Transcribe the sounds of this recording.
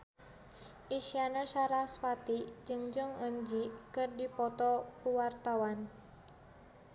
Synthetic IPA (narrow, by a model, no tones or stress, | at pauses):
ʔiʃianaʃaɾaspat̪id͡ʒɨŋd͡ʒɔŋəɲd͡ʒikɨrdipɔt̪ɔpəwart̪awan